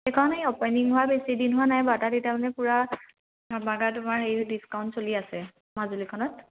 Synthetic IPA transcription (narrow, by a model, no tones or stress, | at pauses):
ekʰɔnejɔpɔjniŋɦʊwabesidinɦʊanajbataditamanɛpuɹa | baɡatʊmaɹejdiskawntsoliasɛ | mazulikʰɔnɔt̚